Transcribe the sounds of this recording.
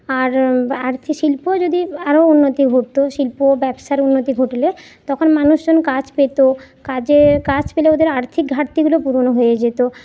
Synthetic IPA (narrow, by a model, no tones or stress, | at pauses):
aɾaɾt̪ʰiʃilpod͡ʑod̪iaɾounːot̪iɡʱoʈ̚t̪oʃilpobɛbʃaɾunːot̪iɡʱoʈle | t̪ɔkʰonmanuʃd͡ʑonkad͡ʑpet̪o | kad͡ʑekat͡ɕpeleod̪eɾaɾt̪ʰik̚ɡʱaɾt̪iɡulopuɾonoɦojed͡ʑet̪o